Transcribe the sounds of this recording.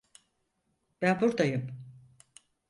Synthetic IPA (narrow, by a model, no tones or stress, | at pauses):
b̥ænbuɾd̪ajɯm